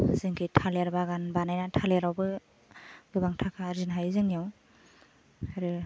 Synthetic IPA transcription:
zɯŋkʰɯtʰaleɾbaɡanbanajnatʰaleɾawbɯ | ɡɯbaŋtʰakʰaɾzinɦajzɯŋijaw | aɾɯ

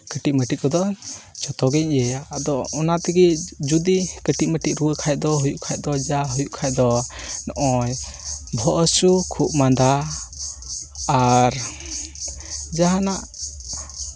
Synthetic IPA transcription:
kəʈiʔ̚məʈit̚kɔd̪ɔd͡ʒɔt̪ɔɡɛɲɛjad̪ɔɔnat̪ɛɡid͡ʒud̪ikəʈiʔ̚məʈiʔ̚ɾuwəkʰaj̚d̪ɔɦujuʔkʰaj̚ˀd̪ɔd͡ʒaɦujuʔkʰaj̚d̪ɔnɔʔɔjbʱɔʔəsukʰup̚mand̪a | ɾ | d͡ʒaɦanaʔ

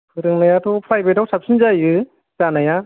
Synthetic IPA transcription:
kʰɯɾɯŋnajatʰɔpʰɾajbetawsap̚sinzajɯ | zanaja

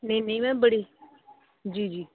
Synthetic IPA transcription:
nẽĩnẽĩmɛ̃bəɽi | d͡ʒiːd͡ʒiː

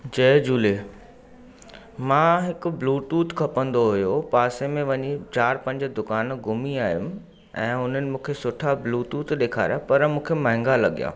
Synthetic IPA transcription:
d͡ʑɐːd͡ʑuːle | mãːɦɪkʊ̆bluːʈuːt̪kʰɐpə̃nd̪oɦʊjopaːsemẽʋɐɲit͡ɕaːɾpɐ̃ɲd͡ʑd̪ʊkaːnɡʊmiaːijʊ̃m | ɛ̃ːʊn̤ənɪ̆mũːkʰesʊʈʰabluːʈuːt̪ɗeːkʰa̰ːɾjapɐɾmũːkʰemɐ̃ɦɪ̃ŋɡalɐɠija̰ː

